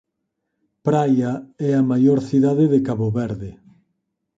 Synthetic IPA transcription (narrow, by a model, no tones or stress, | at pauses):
pɾajɐɛɐmajoɾθiðaðɪðɪkaβoβɛɾðɪ